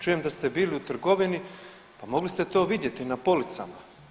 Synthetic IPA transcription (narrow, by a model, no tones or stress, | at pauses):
t͡ʃujemd̪ast̪e̞biːliut̪r̩ɡo̞ʋini | pamo̞ɡlist̪e̞t̪o̞ːʋid̪je̞t̪inapo̞lit̪sa̰ma